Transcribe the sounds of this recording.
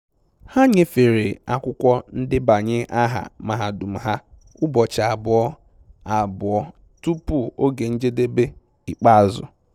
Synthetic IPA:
ha˦ɲe˨fe˨ɾe˨a˦kʷʊ˦kʷɔ˦n̩˦dɪ˦ba˨ɲɪ˦ʔa˦ɦa̰˨ma˦˨ɦa˨du˨m̩˨ɦa˦ | ʊ˦bɔ˨t͡ʃa˨bʊ˨ɔ˦ | a˨bʊ˨ɔ˦ | tu˦pu˦o˦ɡe˨n̩˦d͡ʒe˦de˦be˦ | i˨k͡pa˦˨zʊ̰˨

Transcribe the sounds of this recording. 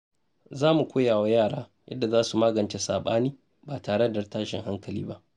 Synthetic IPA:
zaː˦mu˨kʷoː˦jaː˨wa˦jaː˦˨ɽa̰ː˦jʔɐ̰˦dːa˨zaː˦su˨maː˦ɡɐ˨nt͡ʃe˦saː˨ɓaː˦niː˦ | baː˨taː˨ɽe˦ddɐ˨rtaː˦ʃɪ̰˨ŋɦa˦ŋkɐ˨lḭː˦ba˦ʔ

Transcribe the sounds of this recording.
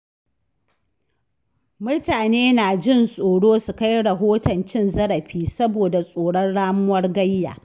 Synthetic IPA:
mʊ˦ɽtaː˨neː˦naː˨d͡ʒɪ˦˨nsʼoː˨ɽoː˦su˨ka˦jɽɐ˨ɦoː˦tɐ˨nt͡ʃɪ˦nzɐ˦ɽɐ˨ɸiː˦sɐ˦boː˨da˨sʼoː˨ɽɐ˦nɽaː˦mʊ˦wɐ˦rɡɐ˦jːa̰ː˨

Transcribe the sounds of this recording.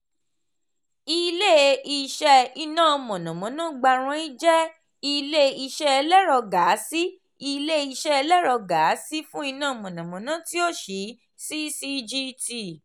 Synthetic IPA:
i˧le˦i˧ʃɛ˧i˧nãː˦˨˧mɔ̃˨nã˨mɔ̃˨˦nã˨˦ɡ͡ba˧ɾ̃ã˦i˦d͡ʒɛ˦ | i˧le˦i˧ʃɛ˦ɛ˧lɛ˦ɾɔ˧ɡa˨˦si˦ | i˧le˦i˧ʃɛ˦ɛ˧lɛ˦ɾɔ˧ɡa˨˦si˦fũ˦i˧nã˦˨˧mɔ̃˨nã˨mɔ̃˨˦nã˦ti˦o˦˨ʃi˨˦ | si˦si˦˧d͡ʒi˦ti˧˨

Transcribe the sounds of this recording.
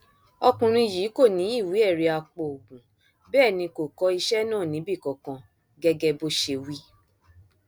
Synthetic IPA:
ɔ˧kũ˨ɾ̃ĩ˧jiː˨˦ko˦˨nĩ˨˦i˦˨wi˨˦ɛ˦˨ɾi˧˦a˧k͡po˧o˨ɡ͡bũ˨ | bɛː˦˨nĩ˧ko˨kɔ˧˦i˧ʃɛ˦nãː˦˨nĩ˨˦bi˦˨kɔ˨˧kã˧ | ɡɛ˦ɡɛ˧bo˦ʃe˧wi˦

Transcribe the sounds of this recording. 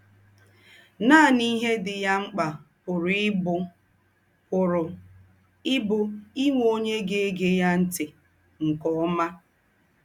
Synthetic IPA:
naː˦˨ni˦ɦe˦dɪ˨ja˦ŋ͡m̩˦k͡pa˨pʊ˨ɾɪ˦bʊ˦ | kʊ˨ɾʊ˨ | ɪ˦bʊ˦i˦ŋʷo˦ɲe˦ɡe˦e˦ɡe˦ja˦n̩˦tɪ˨ | ŋ̩˨kɔ˨˦ma˦

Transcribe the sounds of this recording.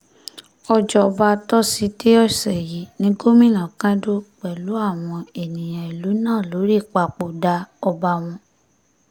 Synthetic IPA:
ɔ˧d͡ʒɔ˧ɔ˧ba˧˦tɔ˦si˦te˦ɔ˦˨sɛ˨ji˨˦nĩ˨˦ɡo˦mĩ˦˨nã˨kã˦do˦k͡pɛ˨lu˨˦a˦˨w̃ɔ̃˧e˨nĩ˨j̃ã˨i˨lu˨˦nãː˦˨lo˨˦ɾi˦˨k͡pa˧k͡po˨da˧˦ɔ˧ba˧w̃ɔ̃˧

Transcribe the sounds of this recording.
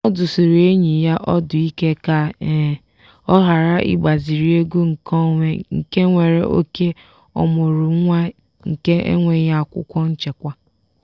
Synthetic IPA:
ɔ˦dʊ˨so˨ɾe˦ɲi˨ja˦ʔɔ˦dʊ˨i˦ke˦ka˦˨ | ɔ˦ɦa˨ɾa˦ʔḭ˦ɡ͡ba˨zi˨ɾi˦e˦ɡu˦ŋ̩˨kɔ˦ŋʷe˦ŋ̩˨ke˦ŋʷe˨ɾe˦ʔo̰˦ke˦ | ɔ̰˨mʊ˨ɾʊ˨˦ŋʷa˦ | ŋ̩˨ke˦ʔḛ˦ŋʷe˨ja˦˨kʷʊ̰˦kʷɔ˦n̩˦t͡ʃe˨kʷa˦

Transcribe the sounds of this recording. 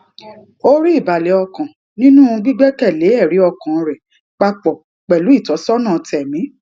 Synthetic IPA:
o˦ɾi˦i˦˨ba˨le˨˦ɔ˧kã˨ | nĩ˦nũ˦˧ɡ͡bi˦ɡ͡bɛ˦kɛ˦˨le˨˦ɛ˦˨ɾi˨˦ɔ˧kã˨˧ɾɛ˨ | k͡pa˧k͡pɔ˨ | k͡pɛ˨lu˨˦i˦˨tɔ˨˦sɔ˦nãː˦˨tɛ˨mĩ˨˦

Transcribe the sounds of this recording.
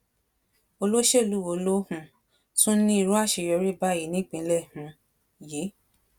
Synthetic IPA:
o˧lo˦ʃe˦˨lu˦wo˧˨˧lo˦hũ˧ | tũ˦nĩ˦i˧ɾũ˦a˦˨ʃe˨˧˨jɔ˧ɾi˦ba˦i˨nĩ˦k͡pĩ˧˦lɛ˦˨hũ˨˦ | ji˨˦

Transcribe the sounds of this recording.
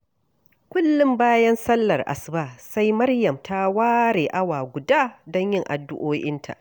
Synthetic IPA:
kʷʊ˦lːʊ˦mbaː˦jɐ˦nsɐ˦lːɐ˨rʔa̰˨sbaː˦˨sa˦jmɐ˦rjɐ˨mtʰa˦waː˦ɾeː˨ʔa˦waː˨ɡʷʊ˨daː˦dɔ˦ɲjɪ˦˨ŋʔa̰˨dːʊ̰˦ʔoː˦ʔɪ˦ntʰa̰˨ʔ

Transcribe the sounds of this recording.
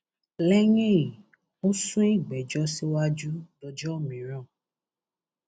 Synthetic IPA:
lɛ˦ŋe˦˨i˨ | o˦sũ˦e˦˨ɡ͡bɛ˨d͡ʒɔ˦si˦wa˦d͡ʒu˦dɔ˧d͡ʒɔ˦˨mĩ˨ɾɔ̃˦˨

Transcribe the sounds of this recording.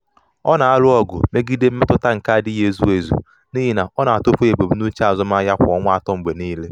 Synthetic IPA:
ɔ˦na˨a˦lʊ˦ɔ˦ɡʊ˨me˦ɡi˦de˦m̩˦me˦tʊ˦ta˦ŋ̩˨ka˦dɪ˦ɦe˦˨zu˦e˨zṵ˨ | ni˦ɦi˦˨na˨ɔ˦na˨a˨to˦pu˦e˨be˨bu˨nu˦t͡ʃa˨zɔ˦m˦a˦ja˦kʷɔ˦ŋʷ˦a˦tɔ˦m̩˨ɡ͡be˨niː˦le˦

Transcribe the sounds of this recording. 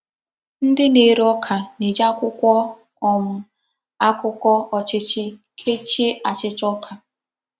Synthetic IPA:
n̩˦dɪ˦ne˨ɾɔ˦kʰa˨ne˨d͡ʒa˦kʷʊ˦kʷɔ˦ | ɔ˨m̩˨ | a˦kʷʊ˦kɔ˦ɔ˨t͡ʃɪ˦t͡ʃɪ˦kʰe˦t͡ʃe˦a˨t͡ʃɪ˦t͡ʃɔ˦kʰa˨

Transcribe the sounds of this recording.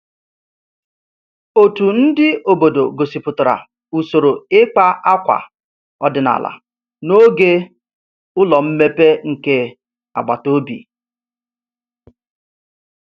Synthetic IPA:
o˨tu˨n̩˦dɪ˦o˨bo˨do˨ɡo˨si˨pʊ˨tʊ˨ɾa̰˨ | u˨so˨ɾo˨ɪ˦k͡pa˦a˦kʷa̰˨ | ɔ˦dɪ˨na̰˨la̰˨ | no˦ɡe˦ | ʊ˦lɔ˨m̩˦me˦pe˦ŋ̩˨ke˦ | a̰˨ɡ͡ba˨to˦bḭ˨

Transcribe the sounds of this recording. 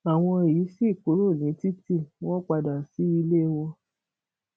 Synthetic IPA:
a˨w̃ɔ̃˧e˨ji˨˦si˦˨k͡po˨˦ɾo˦˨nĩ˨˦ti˦ti˦˨w̃ɔ̃˦k͡pa˧da˨si˨˦i˧le˦wɔ˧

